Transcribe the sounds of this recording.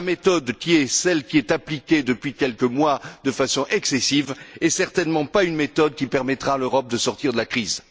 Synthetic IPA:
amet̪ɔd̪kʲiɛsɛlkʲiɛt̪aplikʲed̪əpɥikʲɛlkəmwad̪əfasɔ̃ʔɛksɛsivɛsɛʁt̪ɛnmɑ̃paynmet̪ɔd̪kʲipɛʁmɛt̪χaløʁɔp̚d̪əsɔʁt̪iʁd̪əlakχiz

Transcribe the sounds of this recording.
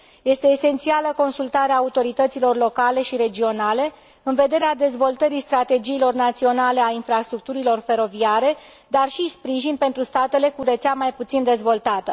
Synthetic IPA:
je̞st̪e̞ːse̞nt̪sialəko̞nsult̪aɾeaːut̪o̞ɾit̪ət̪silo̞rlo̞kale̞ʃiɾe̞d͡ʒio̞nale̞ | ɨnve̞d̪eɾead̪e̞zvo̞lt̪əɾist̪ɾat̪e̞d͡ʒiːlo̞rnat̪sio̞nale̞ainfɾast̪ɾuk̚t̪uɾilo̞rfe̞ɾo̞viaɾe̞ | d̪arʃispɾiʒinpe̞nt̪ɾust̪at̪e̞le̞kuɾet̪seamajput̪sind̪e̞zvo̞lt̪at̪ə

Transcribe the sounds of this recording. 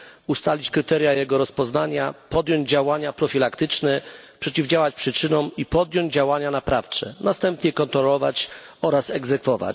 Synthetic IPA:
ust̪alʲit͡ɕkɾɘt̪ɛɾjajɛɡɔɾɔspɔznaɲapɔd̪jɔɲd͡ʑd͡ʑawaɲapɾɔfʲilakt̪ɘt͡ʂnɛpʂɛt͡ɕivd͡ʑawat͡ɕpʂɘt͡ʂɘnɔwipɔd̪ʲjɔɲd͡ʑd͡ʑawaɲanapɾaft͡ʂɛ̰nast̪ɛmpɲɛkɔnt̪ɾɔlɔva̰t͡ɕ | ɔɾasɛɡzɛkfɔva̰t͡ɕ

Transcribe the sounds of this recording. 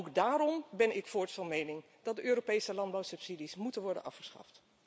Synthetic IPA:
owkdaːɾɔmbɛnɪkfʊːɹtfɑnmejnɪŋ | d̥ɑdəʔøːropejsəlɑnd̚bɑwsɵpsidismutənʋɔɹdə̰nʔɑ̰fχə̥sχɑ̰ft

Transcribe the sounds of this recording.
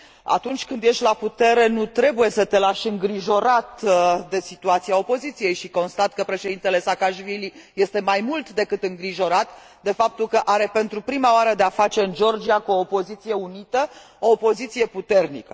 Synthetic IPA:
a̰t̪unt͡ʃʲkɨnd̪je̞ʃʲlaput̪e̞ɾe̞nut̪ɾe̞buje̞sət̪e̞laʃɨŋɡɾiʒo̞ɾat̪d̪e̞sit̪uat̪siao̞po̞zit̪sije̞jʃiko̞nst̪at̪kəpɾe̞ʃed̪int̪e̞le̞sakaʃvilije̞st̪e̞majmult̪d̪e̞kɨt̪ɨŋɡɾiʒo̞ɾat̪ | d̪e̞fap̚t̪ulkəʔaɾe̞pe̞nt̪ɾupɾimaoaɾəd̪e̞afat͡ʃe̞ɨnd͡ʒo̞rd͡ʒiakuoːpo̞zit̪sije̞unit̪ə | o̞ːpo̞zit̪sije̞put̪e̞rnḭkə

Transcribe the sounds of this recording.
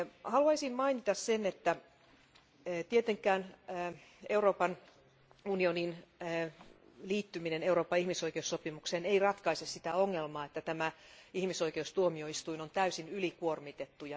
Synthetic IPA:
hɑluɑisimmɑinit̪ɑssenet̪ːæ | t̪iet̪eŋkˑæːnː | euroːpɑn | unioninː | liːt̪ːymineneuɾoːpːˑɑihmisoikeusːopimukseːneirɑt̪kɑisessit̪æoŋːelmɑːet̪ːæt̪æmæihmiso̞ikeust̪uomioist̪uinont̪æysinylikuormit̪et̪ːujɑ

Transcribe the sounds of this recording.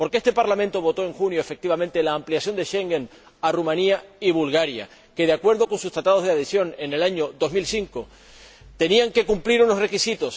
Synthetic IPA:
po̞ɾkeest̪e̞paɾlamẽnt̪o̞βo̞t̪o̞e̞ŋxunjo̞efe̞k̚t̪iβamẽnt̪elaːmpliasjo̞nd̪e̞ʃe̞ŋɡe̞n | arumãniaiβulɣaɾja̰ | ke̞ðeakwe̞ɾðo̞ko̞nsust̪ɾat̪aðozðeaðesjo̞ne̞ne̞laɲo̞ðo̞zmilsiŋko̞ | t̪e̞niaŋke̞kumpliɾuno̞sre̞kisit̪o̞s

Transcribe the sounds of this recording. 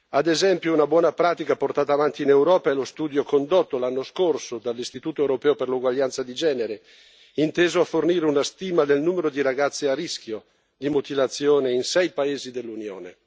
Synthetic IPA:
ad̪ezɛmpjounabwɔːnapɾaːt̪ikaport̪aːt̪aːvant̪iːnewɾɔːpaelost̪uːd̪jokond̪ot̪ːolanːoskorsod̪alːist̪it̪uːt̪oɛwɾopɛːoperluɡwaʎːant̪sad̪id͡ʒɛːneɾe | int̪eːzoafːorniːɾeunast̪iːmad̪elnuːmeɾod̪iɾaɡat̪sːiarisk̟jo | d̪imot̪ilat̪sːjoːneinsɛjpaeːzid̪elːunjo̰ːnḛ

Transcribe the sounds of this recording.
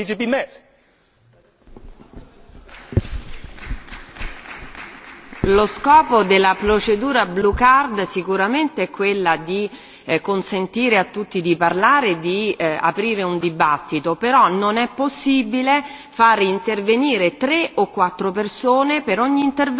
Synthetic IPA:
it͡ʃipimɛ | loskɔːpod̪elːapɾot͡ʃed̪uːɾablukard̪sikuɾament̪eɛkːwelːad̪i | konsent̪iːɾeat̪ːut̪ːid̪iparlaːɾed̪ia̰pɾiːɾeund̪ibat̪ːit̪opeɾɔnonɛpːosːiːbile | faːɾeint̪erveniːɾet̪ɾeʔokːwat̪ːɾopersoːnepeɾɔɲːiːnt̪er

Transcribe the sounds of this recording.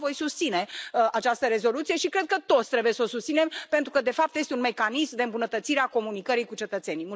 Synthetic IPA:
vo̞jsust̪sine̞at͡ʃast̪əɾe̞zo̞lut̪sije̞ʃikɾe̞d̪̚kət̪o̞t̪st̪ɾe̞buje̞sosust̪sine̞mpe̞nt̪ɾukəd̪e̞fap̚t̪je̞st̪eunme̞kanismd̪eɨmbunət̪ət̪siɾeako̞munikəɾijkut͡ʃe̞t̪ət̪se̞nijmu

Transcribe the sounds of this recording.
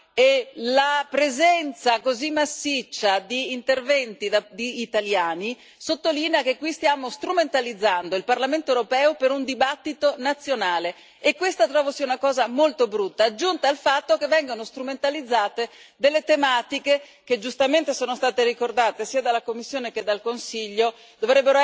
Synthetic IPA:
elapɾezɛnt̪sakozimːasːit͡ʃːad̪iːnt̪ervɛnt̪id̪ad̪iːt̪aljaːni | sot̪ːoliːneakekːwist̪jaːmost̪ɾument̪alid̪zːand̪oilparlament̪oewɾopɛːopeɾund̪ibat̪ːit̪onat̪sːjonaːle | ekːwest̪at̪ɾɔːvosiunakɔːzamolt̪obɾut̪ːaːd͡ʒːunt̪aːlfat̪ːokevːɛŋɡonost̪ɾument̪alid̪zːaːt̪ed̪elːet̪emaːt̪ike | ked͡ʒust̪ament̪esoːnost̪aːt̪eɾikord̪aːt̪esiːad̪alːakomːisːjoːneked̪alkonsiʎːo | d̪ovɾɛbːeɾo

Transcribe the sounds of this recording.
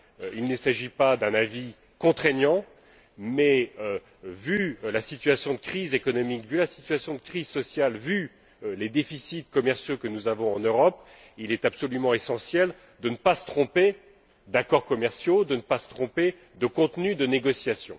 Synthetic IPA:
ilnəsaʒipad̪ɛ̃navi | kɔ̃t̪χeɲjɑ̃ | mɛø | vylasit̪ɥasjɔ̃d̪əkχizekɔnɔmikvylasi̥t̪ɥasjɔ̃d̪əkχizsɔsjalvy | led̪efisit̪̚kɔmɛʁsjokənuzavɔ̃ɑ̃nøʁɔp | ilɛt̪apsɔlymɑ̃esɑ̃sjɛl | d̪ənəpasə̥t̪χɔ̃pe | d̪akɔʁkɔmɛʁsjod̪ənəpasə̥t̪χɔ̃pe | d̪əkɔ̃t̪nyd̪əneɡɔsjasjɔ̰̃

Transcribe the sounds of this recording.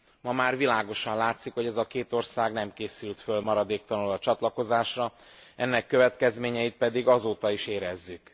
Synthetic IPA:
mɒmaːrvilaːɡo̞ʃɒnlaːt̪sikho̞ɟɛzɒkeːt̪o̞rsaːɡnɛmkeːsylt̪følmɒɾɒd̪eːk̚t̪ɒnulɒt͡ʃɒt̪lɒko̞zaːʃrɒɛnːɛkːø̞vɛt̪kɛzmeːɲɛit̪̚pɛd̪iɡɒzoːt̪ɒiʃeːɾɛzːyk

